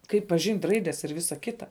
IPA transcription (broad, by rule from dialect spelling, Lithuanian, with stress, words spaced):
ˈkɐɪp pɐˈʒʲɪnʲtʲ ˈrɐɪdʲɛs ɪr ˈʋʲɪsɐ ˈkʲɪtɐ